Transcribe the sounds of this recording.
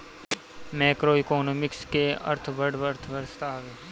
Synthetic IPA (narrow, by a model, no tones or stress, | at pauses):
mɛːkɾoːɪkoːnoːmɪkskeə̰ɾt̪ʰbəɖʋəɾt̪ʰʋəɾst̪aːʋeː